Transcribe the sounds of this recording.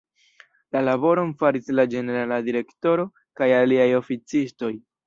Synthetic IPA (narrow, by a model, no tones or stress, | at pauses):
lalaβo̞ɾo̞nfaɾislad͡ʒe̞ne̞ɾaladiɾe̞kto̞ɾo̞ | kajaliajo̞fit͡sisto̞j